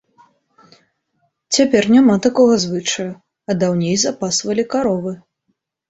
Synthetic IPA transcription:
t͡sʲapʲɛrnʲamat̪akɔɣɐzvɨt͡ʂɐju | ɐd̪awnʲejzapasvɐlʲikaɾɔvɨ

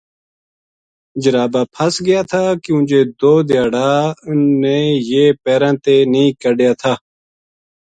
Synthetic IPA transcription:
d͡ʒəɾaːbaːpʰəsɡɪjaːt̪ʰaːkɪjũːd͡ʒeːd̪oːd̪jaːɽaːneːjeːpeːɾãːt̪eːnĩːkəɖɪjaːt̪ʰaː

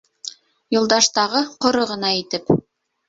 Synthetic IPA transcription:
jŏlˠd̪ɑʃt̪ɑʁɤqŏɾɤʁɤ̆nɑit̪ɘp

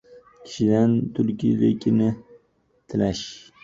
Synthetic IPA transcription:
kʲʰɪ̥ʃɪd̪ant̪ʰʊɾkʲʰijd̪akʲʰɪnɪ | t̪ʰɪlaʃ

